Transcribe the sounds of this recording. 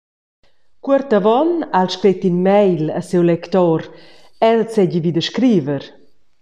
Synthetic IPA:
kwəɾt̪avɔnalʃkɾet̪inmɛjla̰sewlɛkt̪ɔɾ | ɛlt͡sɛɟivid̪əʃkɾiːvəɾ

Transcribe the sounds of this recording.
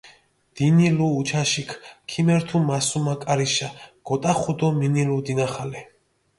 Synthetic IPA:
d̪̥iniluːt͡ʃʰaʃikʰkʰimɛɾt̪ʰumasumakʼaɾiʃaɡ̥ɔt̪ʼaχud̪ɔminilud̪inaχalɛ

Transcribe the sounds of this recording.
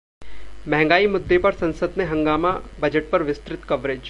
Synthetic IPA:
mɛ̃ɦɛ̃ŋ̆ɡaːimʊd̪ːepɐɾsɐ̃nsəd̪mẽɦɐ̃ŋɡaːmabɐd͡ʒəʈ̚pɐɾʋɪst̪ɾɪt̪kɐʋɾed͡ʒ

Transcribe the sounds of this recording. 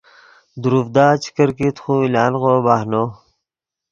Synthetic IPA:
d̪uɾufd̪aːt͡ɕʰi̥kəɾkit̪xũːilaːnɣoːbaːhnoː

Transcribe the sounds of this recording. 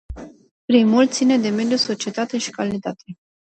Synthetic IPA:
pɾimult̪sine̞d̪e̞me̞d̪juso̞t͡ʃie̞t̪at̪e̞ʃi̥kalit̪at̪ʰe̞

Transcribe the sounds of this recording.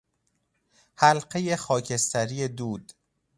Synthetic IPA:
hælɢe̞jexɒːcʰe̞st̪æɾiːed̪uːd̪̥

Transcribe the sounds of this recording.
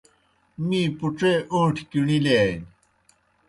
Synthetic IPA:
miːpuʈ͡ʂeʔũʈʰkiɳilen

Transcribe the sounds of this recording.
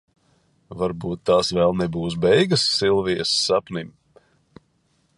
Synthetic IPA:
vaɾbuːt̪ːaːsvɛlˠnɛbuːs̬bɛjɡɨsːilˠvijəsːapnim

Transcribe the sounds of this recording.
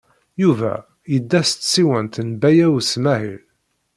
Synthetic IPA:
juvæ̰ | jəd̪ːæst̪siwənt̪nbæjæwsmæhḭl

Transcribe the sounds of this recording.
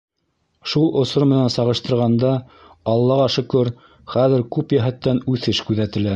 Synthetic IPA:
ʃulˠŏsoɾmɘ̆nænsɑʁɤ̆ʃt̪ɤ̆ɾʁɑnd̪ɑ | ɑlˠːɑʁɑʃɵ̆kɵɾ | χæðɘ̆ɾkʉpjæɦæt̪ːænʉθɘʃkʉðæt̪ɘ̆læ

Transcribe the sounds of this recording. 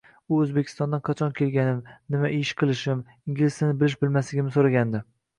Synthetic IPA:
ʊɵzbekʲʰɪ̥st̪ɒnd̪anqʰɑt͡ʃʰɒnkʲʰe̞lɡʲanɪmnɪmaʔɪʃqʰɨlˠɪʃɪm | iŋɡʲlɪsanɪbɪlɪʃbɪlmaslɪɡʲɪmɪsoɾaɡʲand̪ɪ

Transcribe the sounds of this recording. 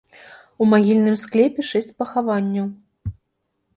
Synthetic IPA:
umaɣʲilʲnɨmsklʲɛpʲɛʂɛsʲt͡sʲpɐxavanʲːɐw

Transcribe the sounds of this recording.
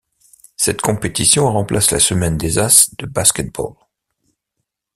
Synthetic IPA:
sɛt̪kɔ̃pet̪isjɔ̃ʁɑ̃plasla̰səmɛnd̪ezasd̪̥əbaskʲɛt̪̚bɔ̰l

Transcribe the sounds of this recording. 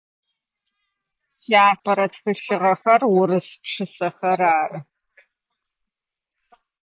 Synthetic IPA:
siaːpʰɐɾɐtxɨɕɪʁɐxɐrwʊɾɨspʂʰɨsɐxɐɾaːrɨ

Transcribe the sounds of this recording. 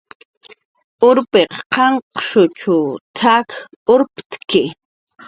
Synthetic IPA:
ʊɾpeqqɑɴqʃʊt͡ʃʊt̪ʰak | ʊɾpt̪kɪ

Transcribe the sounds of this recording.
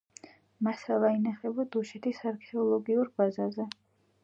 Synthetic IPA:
masalˠainaχɛbad̪uʃɛt̪ʰisaɾkʰɛɔlˠɔɡiuɾbazazɛ

